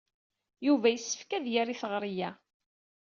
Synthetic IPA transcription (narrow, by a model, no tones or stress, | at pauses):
juvæjəsːə̥fkæðjaɾiθəʁɾijæ